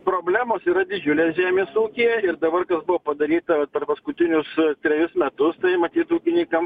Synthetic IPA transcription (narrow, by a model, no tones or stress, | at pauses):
pɾoːbʲlʲæːmoːsiːɾɐd̪ʲɪd͡ʒʲʊlʲeːsʒʲæːmʲeːsuːkʲijɛɪɾd̪ɐbɐrkɐsbʊʋoːpɐd̪ɐɾʲiːt̪ɐʋɐt̪pʲɛrpɐskʊt̪ʲɪnʲʊst̪ʲɾʲɛjʊsmʲɛt̪ʊst̪ɐɪmɐt̪ʲiːt̪uːkʲɪnʲikɐm